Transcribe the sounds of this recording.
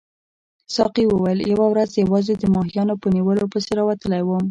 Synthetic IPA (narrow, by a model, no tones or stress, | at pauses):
sɑqiwəwajəljawawɾazjawɑzed̪əmɑɦijɑnopəniwəlopəseɾɑwat̪əlajwəm